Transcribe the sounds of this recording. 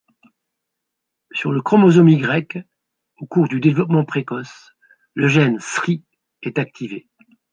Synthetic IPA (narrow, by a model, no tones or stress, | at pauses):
syʁləkχɔmɔzɔmiɡʁɛk | okuʁd̪yd̪evlɔp̬mɑ̃pχekɔs | ləʒɛnsχi | ɛt̪ak̚t̪ʰive